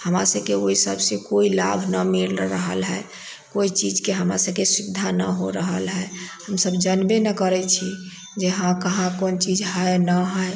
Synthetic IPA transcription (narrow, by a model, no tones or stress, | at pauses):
həmɾa̰səbkeoisəbʱsẽkoilabʱnəmilɾəɦə̰lɦə | koit͡ʃid͡ʒkeɦəmɾa̰səb̚kesud̪ʱːanə̰ɦoɾəɦəlɦəehəmsəbd͡ʒənbenəkəɾɛt͡ʃʰi | d͡ʒeɦãkəɦãkont͡ʃid͡ʒɦəjnəɦəj